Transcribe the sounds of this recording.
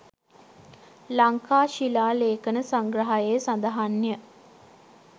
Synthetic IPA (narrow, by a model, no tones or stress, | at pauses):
laŋkaːʃilaːleːkənəsaŋɡrəɦajeːsand̪aɦanːjə